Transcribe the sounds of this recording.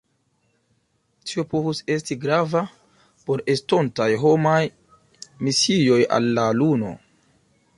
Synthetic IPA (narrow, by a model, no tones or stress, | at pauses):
tʰiopo̞vuse̞stiɡɾava | po̞ɾe̞sto̞ntajɦo̞maj | misijo̞ja̰lːaluno̞̰